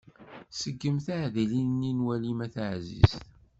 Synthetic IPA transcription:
səɡːəmθaʕðilinːinwælimæθaʕzḭsθ

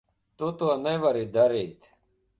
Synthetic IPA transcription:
t̪ut̪uɐneʋɐɾid̪ɐɾiːt̪

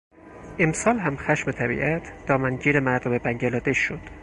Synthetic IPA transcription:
ʔemsɒːlɦæmxæʃmet̪ʰæbḭʔæt̪ʰd̪̥ɒːmænɟiːɾemæɾd̪ome̞bæɲɟelɒːd̪eʃod̪̥

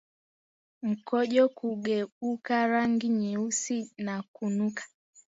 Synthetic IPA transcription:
m̩kɔʄɔkuɡɛukaɾaŋɡiɲiusinakunukḁ

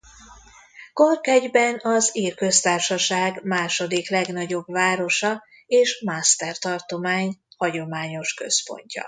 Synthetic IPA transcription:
korkɛɟbɛnɒziːrkø̞st̪aːrʃɒʃaːɡmaːʃo̞d̪iklɛɡn̪ɒɟo̞bvaːɾo̞ʃɒ | eːʃmast̪ɛrt̪ɒrt̪o̞maːɲhɒɟo̞maːɲo̞ʃkø̞̰spo̞̰ɲcɒ̰

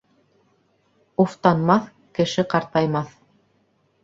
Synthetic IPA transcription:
uft̪ɑnmɑθ | kɘ̆ʃɘqɑɾt̪ɑjmɑθ

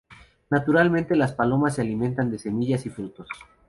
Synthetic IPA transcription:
nat̪uɾalmẽnt̪e̞laspalo̞mas̬ːealimẽ̞nt̪and̪e̞se̞miʝasifɾut̪o̞s

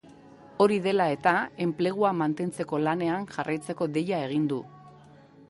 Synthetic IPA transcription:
o̞ɾiðe̞lae̞t̪ae̞mple̞ɣ̞uamant̪e̞nt͡se̞ko̞lane̞aŋʝarajt͡se̞ko̞ðe̞jae̞ɣ̞ind̪u

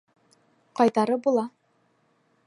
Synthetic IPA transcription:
qɑjt̪ɑɾɤbulˠɑ

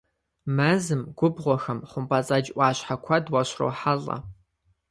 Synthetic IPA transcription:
mɐzɨmɡʷʊbʁʷɔxɐmχʷʊmpʼɐt͡sʼɐd͡ʒʔʷɑːɕħakʷʰɐdwɐɕro̰ːħaɮɐ̰

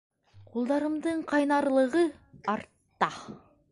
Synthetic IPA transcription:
qʰolˠd̪ɑɾəmd̪əɴqʰɑjnɑɾlˠəʁəɑɾt̪ːɑ

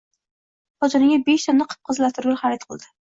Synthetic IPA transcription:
hɒd͡ʒɒnɪŋʲabeʃt̪ʰanːɪqʰɨ̥p̚qʰɨzlat̪ʰʊɾɡʲaχɑɾɪt̪qʰɨlˠd̪ɪ

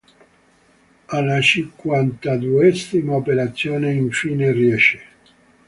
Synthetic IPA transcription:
alat͡ʃiŋkwant̪ad̪uɛsimaopeɾat̪sːjoːneiɱfiːneriɛʃe̥

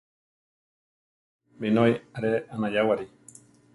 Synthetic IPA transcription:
binojaɾeʔanãjawaɾi

